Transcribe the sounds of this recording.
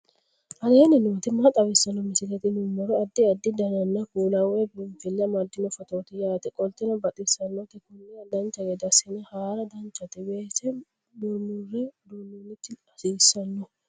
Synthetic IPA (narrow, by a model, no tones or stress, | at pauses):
ʔɐleːnɛnoːt̪ɪmːɐt̪ʼɐbɪsːɐnːɔmɪsɪlɛt̪ɪnʊmɔɾɛɐd̪ːɪɐd̪ːɪd̪ɐnɐnːɐkuːlɐwɛbʊnfɪlːɐmɐd̪ːɪnɔfɐt̪oːt̪ɪjaːt̪ɪkʼɔlt̪ːɪnɐbɐt̪ʼɪsɐnːɔt̪ɛkʊnːɛɐd̪ɐnt͡ʃːɐɡed̪ɐsɪnɐhaːɾɐd̪ɐnt͡ʃːɐt̪ɪbeːsɛ | mʊɾmurɪd̪ʊnunːɪt̪ːɪɐsiːsːɐnːɔ